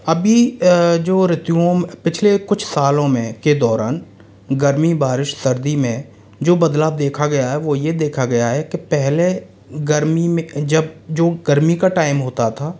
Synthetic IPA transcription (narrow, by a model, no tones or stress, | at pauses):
ɐbʱid͡ʒoːɾɪt̪juõmpɪt͡ʃʰlekʊt͡ʃʰsaːlõmẽked̪ɔːɾaːn | ɡɐɾmibaːɾɪʃsɐɾd̪imẽ | d͡ʒoːbɐd̪laːb̚d̪eːkʰaɡɐjaɦɛʋojed̪eːkʰaɡɐjaɦɛkepɛɦle | ɡɐɾmimẽd͡ʒɐbd͡ʒoːɡəɾmikaʈaːɪmɦoːt̪at̪ʰaː